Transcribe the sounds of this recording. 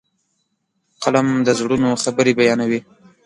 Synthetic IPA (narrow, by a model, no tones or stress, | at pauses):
qalamd̪əzɽunoxabəɾebajɑnawi